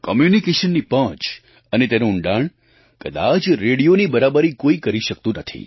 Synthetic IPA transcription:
kɔmjunikeʃənːipə̃t͡ʃ | ənet̪enuːɳɖaɳ | kəd̪a̰t͡ʃɾeɽijonibəɾabəɾikoikəɾiʃək̚t̪ũnət̪ʰḭ

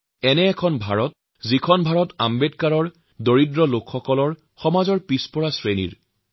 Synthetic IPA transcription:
ɛnɛːkʰɔnbʱaɹɔt̚ | zikʰɔnbʱaɹɔta̰mbetkaɹɔɹ | doɹidɹɔlokʰxɔkɔlɔɹ | xɔmazɔɹpispɔɹasɹenḭɹ

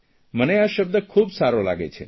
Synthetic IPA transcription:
məneaʃəb̚d̪əkʰubsaɾola̰ɡḛt͡ʃʰḛ

